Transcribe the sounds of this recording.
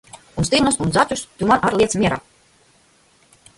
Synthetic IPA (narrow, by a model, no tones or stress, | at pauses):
unst̪ilnusunzat͡ʃʲust̪ʲumanʔaɾlˠiɛt̪smʲiɛɾa̰ː